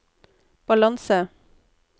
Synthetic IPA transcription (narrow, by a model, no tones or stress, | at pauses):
b̥ɑlɑnsə